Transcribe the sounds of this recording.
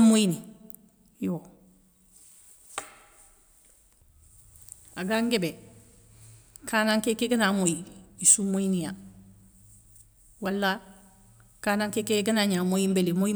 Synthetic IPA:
mːoini | jo | aɡaŋɡebe | kʰaːnaŋkekeɡanamojiisumːojinija | walːa | kaːnaŋkekeɡanaɲamojimbelemoi

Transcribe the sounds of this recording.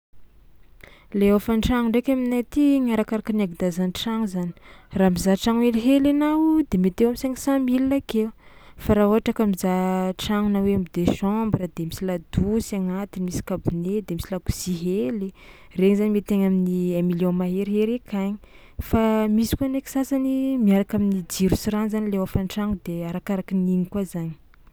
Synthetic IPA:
leofaɳʈ͡ʂaŋuɳɖ͡ʐekʲaminat̪iɲaɾakaɾakanaɡid̪azanʈ͡ʂaŋuzani̥raːmizaʈ͡ʂaŋeliɦelanad̪emet̪ewamisaŋisãmiliakefaɾaoaʈ͡ʂakamizaʈ͡ʂaŋunaweamid̪eʃɔmbɾəd̪emisilad̪usiaŋat̪inimisi̥kabuned̪emisilaɡuz̥iɦeli | reŋizanimet̪eŋaminiamiljõmaɦeɾɦeɾekʰaɲi̥ | famisi̥kuaneki̥sasanimiaɾakaminid͡ʒiɾusiɾanzanileafanʈ͡ʂaŋud̪eaɾakaɾakininikwazaɲi̥

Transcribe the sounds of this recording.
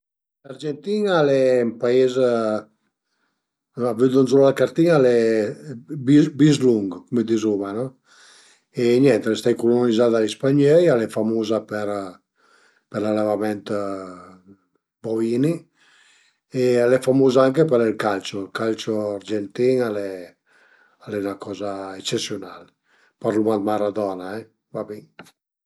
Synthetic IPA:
lard͡ʒent̪iːnalɛmpaez | avyd̪unzɔlakaɾt̪iŋalɛ | bibizluŋɡkumed̪izumanɔ | eɲɛnt̪elest̪ajkulonanizad̪alispaɲɛjalɛfamoːzapɛɾ | peɾlalavamɛnt̪ | boviːni | ealɛfamoːzaaŋkepɛɾilkalt͡ʃolkalt͡ʃoaɾd͡ʒent̪iŋalɛ | alɛnakɔːzaet͡ʃːesːjonal | paɾlumad̪maɾad̪ɔːnaɛ | vabiŋ

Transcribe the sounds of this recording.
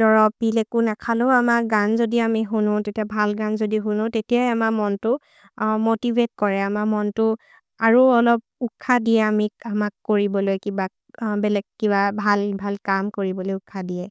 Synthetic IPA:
dɔɹɔpbilekunakʰaloʊamaɡanzodiamiɦunʊ̃tetiabʱalɡanzodiɦunʊ̃tetiajamamɔntʊ | motibʱet̚kɔɹɛamamɔntʊ | aɹuɔlɔp̚ukʰːadiɛamiamakːoɹibɔlojkiba | bɛlɛɡ̚kibabʱalbʱalkamkoɹibɔlojukʰadiɛ

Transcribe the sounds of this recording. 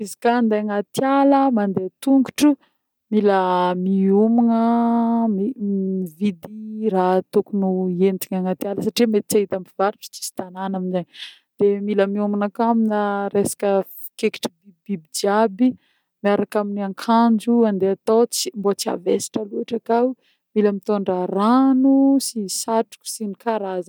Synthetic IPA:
izi̥kand̪eaŋat̪jaləmand̪et̪uŋɡuʈ͡ʂu | miləmiumunəmiivid̪irat̪ukunuent̪iɲaŋat̪jaləsaʈ͡ʂimet̪it͡saɦit̪ampiv̥aɾuʈ͡ʂt͡si̥si̥t̪ananaminzaɲ | d̪̥emiləmiumanakaminəɾesḁkə̥ | keki̥ʈ͡ʂəbibibid͡ʒiabi | miaɾakaminiaŋkʰand͡ʒuand̪eat̪ot͡smbot͡sia̰vesi̥ʈ͡ʂaluaʈ͡ʂakaw | miləmit̪oɳɖ͡ʐəranusisaʈ͡ʂu̥ku̥sinikaɾazə

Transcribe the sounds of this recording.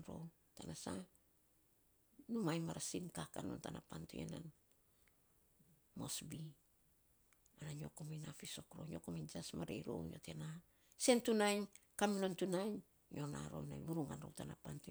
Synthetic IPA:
nɾo̞̰ | tanasa | numajmaɾasinkakano̞̰ntanapantṵḛna̰n | mo̞sbi | anaɲo̞komejnafiso̞kɾo̞̰ɲo̞komind͡ʒasmaɾejɾo̞̰wjo̞̰te̞na | se̞ntunajnkaminontunajn | jʔo̞na̰ɾo̞̰na̰jβuɾuŋanɾo̞̰wtanapantu

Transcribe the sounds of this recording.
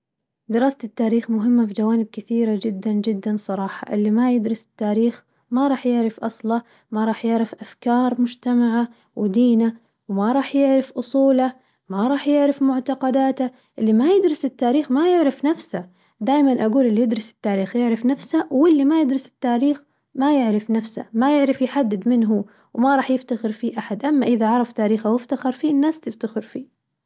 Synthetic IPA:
d̪ɪɾɑːsat̪ɪt̪ːaːɾiːxmʊɦɪmːafid͡ʒawaːnɪb̚kɪθiːɾad͡ʒɪd̪ːand͡ʒɪd̪ːansˤɑɾˤɑːħɑ̰ʔɪlːimajɪd̪ɾɪsɪ̥t̪ːaːɾiːx | maɾˤɑːħjɪʕɾɪfʔɑsˤlɑ | maɾˤɑːħjɪʕɾɪfʔafkɑːɾˤmʊd͡ʒt̪amaʕa | wd̪iːna | wmaɾˤɑːħjɪʕɾɪfʔʊsˤuːla | maɾˤɑːħjɪʕɾɪfmʊʕt̪ɑqɑd̪aːt̪a | ʔɪlːimajɪd̪ɾɪsɪt̪ːaːɾiːxmajɪʕɾɪfnafsa | d̪aːjmanʔaɡuːlɪlːijɪd̪ɾɪsɪ̥t̪ːaːɾiːxjɪʕɾɪfnafsawɪlːimajɪd̪ɾɪsɪ̥t̪ːaːɾiːx | majɪʕɾɪfnafsa̰majɪʕɾɪfjħad̪ːɪd̪mɪnɦʊ | wmaɾˤɑːħjɪft̪axɪɾfiːʔaħad̪ʔamːaʔɪðaʕɑɾˤɑft̪aːɾiːxawɪft̪axɑɾˤfiːɪnːaːst̪ɪft̪axɪɾfiː

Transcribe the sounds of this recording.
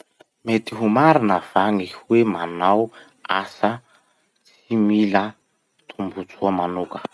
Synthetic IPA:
met̪iɦumaɾinəv̥aŋihwemanaw | asə | t͡s | imilə | t̪ʰumbut͡suəmanukə̥

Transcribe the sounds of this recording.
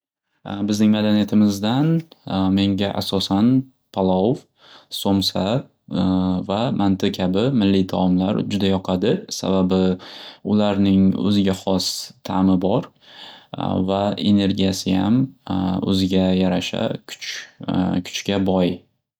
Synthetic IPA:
bɪznɪŋmad̪anijat̪ʰɪmɪzd̪anme̞ŋɡʲaʔasɒsan | pʰalˠɒv | somsa | vamʔant̪ʰɪkʲʰabɪmɪlːit̪ʰamla̰ɾd͡ʒʊd̪ajɒqʰɑd̪ɪsa̰babɪʊlaɾnɪŋɵ̰zɪɡʲaχɒst̪ʰamɪbɒɾ | vae̞̰ne̞ɾɡʲijasɪja̰mɵ̰zɪɡʲajaɾaʃa̰kʰʊ̥t͡ʃ | kʲʰʊ̥t͡ʃkʲabɒj

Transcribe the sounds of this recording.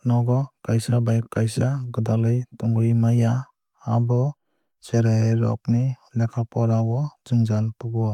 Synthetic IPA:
nɔɡɔkajsabajkajsaɡɯdalɯjtɔŋɡɯjmajaː | bɔ | seɾaejɾɔ̰k̚nilɛkʰapɔɾawɔd͡ʒuŋzanpuɡɔ

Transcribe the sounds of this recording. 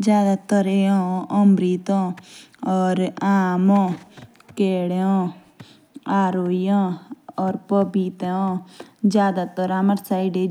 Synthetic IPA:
d͡ʒjaːd̪at̪əɾeɔ̃ɔmɾit̪ɔ̃ | ɔːɾaːmɔ̃ | keːɽeɔ̃ | aːɾoːijɔ̃ɔːɾpɔbit̪eɔ̃d͡ʒjaːd̪at̪əɾaːməɾsaːiɖe

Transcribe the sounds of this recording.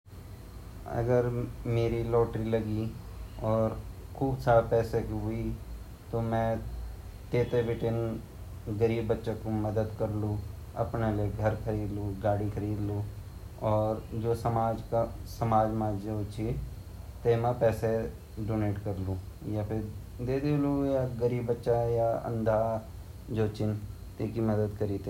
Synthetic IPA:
ɐ̰ɡəɾmeːɾilɔːʈɾilɐɡiɔːɾkʰuːbsaːɾepɛːsekɦʊi | t̪omɛ̃ | t̪eːt̪ebɪʈɪn | ɡɐɾiːbːətːʃẽkomɐd̪əd̪kɐɾlũ | ɐ̰pneleɡʱɐɾkʰɐɾiːd̪lũɡaːɽikʰɐɾiːd̪lu | ɔːɾd͡ʒoːsəmaːd͡ʒkasəmaːd͡ʒmãːd͡ʒjaʊt͡ʃʰi | t̪eːmãpɛːse | ɖoːneːʈkəɾlũː | japʰɪɾ | d̪eːd̪elũjaɡəɾiːbːətːʃajaə̰̃nd̪ʱaː | d͡ʒoːt͡ʃɪn | t̪eːkiməd̪əd̪kəɾiːt̪e

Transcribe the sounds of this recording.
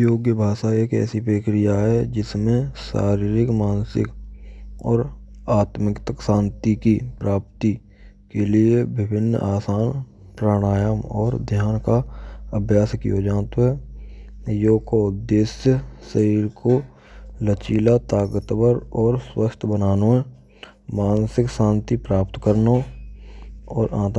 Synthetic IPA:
joːɡjəbʱaːʃaeːkɛ̰ːsipɾeːkɾɪjaɦɛd͡ʒɪsmẽʃa̰ːɾiːɾɪkmaːnsɪ̰k | ɔːɾaːt̪mɪkt̪əksãːnt̪ikipɾaːp̚t̪i | keliebɪbʱɪnːaːsaːn | pɾaːɽ̃aːjəmɔːɾd̪ʱjaːnkaəbʱjaːskḭod͡ʒaːnt̪oɦɛː | joːkoʊd̪ːeːsjəsəɦiːɾko | lət͡ʃiːlat̪aːkət̪bəɾɔːɾswəst̪ʰbənaːnõɦɛ | maːnsɪksãːnt̪ipɾaːpt̪kəɾno | ɔːɾʔaːt̪

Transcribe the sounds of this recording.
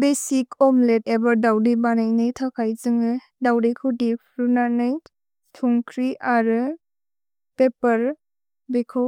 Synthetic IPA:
besikʰɔmletebɐɾdawdibanajnɯjtʰakʰajzɯŋɯ | dawdikʰudipʰɾunanɯj | tʰuŋkʰɾiʔaɾɯ | pepɐɾ | bekʰɯ

